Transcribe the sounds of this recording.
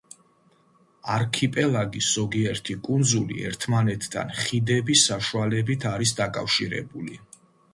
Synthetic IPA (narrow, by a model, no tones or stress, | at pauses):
aɾkʰipʼɛlˠaɡisz̥ɔɡiɛɾt̪ʰikʼund̪zulḭɛ̰ɾt̪ʰmanɛt̪ʰd̪a̰nχid̪ɛbisːaʃualɛbit̪ʰaɾisd̪akʼa̰fʃiɾɛ̰buli